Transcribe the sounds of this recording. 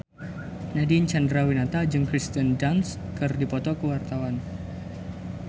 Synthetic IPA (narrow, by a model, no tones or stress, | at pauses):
nadint͡ʃandɾawinat̪ad͡ʒɨŋkɾist̪əndanskɨrdipɔt̪ɔkəwart̪awan